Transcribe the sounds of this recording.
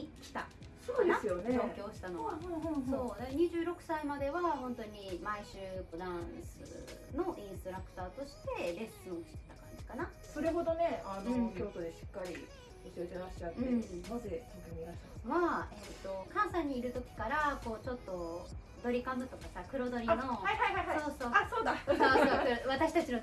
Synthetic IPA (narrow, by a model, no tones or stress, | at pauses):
ikʲi̥t̪a̰ | soːd̪easɨjoned͡ʑo̞ːkʲo̞ːɕi̥t̪anõɦso̞ːneɲ̟iʑɨːɾo̞kɯ̟̥saimad̪e̞βahõ̞nt̪o̞ɲ̟imaiɕɨːpɯ̟d̪ãsɨ̰no̞ʔĩɰ̃st̪o̞ɾakɯ̟̥t̪aːt̪o̞ɕi̥t̪e̞ɾe̞ssõŋɕi̥t̪e̥t̪ːakãɲ̟d͡ʑi̥kana | so̞ɾe̞ɦo̞d̪o̞ne̞anokʲo̞ːt̪od̪e̞ɕi̥kːaɾʲḭ | osiet̪eɾaɕi̥t͡ɕat̪enaze̞kak̪amʲinaβaet̪ːo̞kãɰ̃sãɲ̟ːiːɾɯ̟t̪o̞kʲi̥kaɾako̞ːt͡ɕo̞t̪ːo̞ | d̪o̞ɾʲikamɯ̟t̪o̞kasakɯ̟ɾo̞d̪o̞ɾʲino̞haiɦaiɦaiɦasoːsoːasoːd̪aoɾβat̪aɕi̥t̪at͡ɕino